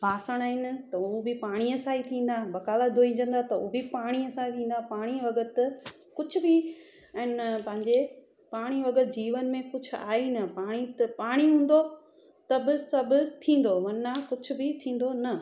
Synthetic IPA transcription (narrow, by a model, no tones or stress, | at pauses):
paːsəɽ̃aːɦɪnt̪ɐuːbɪpaːɽ̃iəsaːit̪ʰĩːn̆d̪aːbɐkaːlad̪ʱoĩːɲd͡ʑə̃nd̪at̪ɐuːbipaːɽ̃iəsãːit̪ʰĩːn̆d̪apaːɽ̃iʋɐɡət̪ɪ | kʊd͡ʑʱʰʊ̆bɪ | ɛ̃ːnpɐ̃ɦɪ̃ɲd͡ʑe | paːɽ̃iʋɐɡət̪d͡ʑiːʋənmẽkʊd͡ʑʰʱʊ̆a̰ːinɐpaːɽ̃it̪ɐpaːɽ̃iɦũːn̆d̪o | t̪ɐbɪsɐbʊ̆t̪ʰĩːn̆d̪oʋɐnakʊd͡ʑʰʱʊ̆bɪt̪ʰĩːn̆d̪onɐ